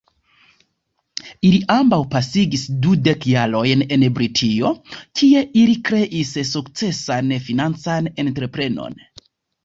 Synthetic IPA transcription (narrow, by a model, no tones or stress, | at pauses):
iliʔambawpasiɡisdude̞kjaɾo̞jne̞nbɾitʰio̞kʰie̞ʔilikɾe̞ʔissukt͡se̞sanfinant͡sanentɾe̞pɾe̞no̞̰n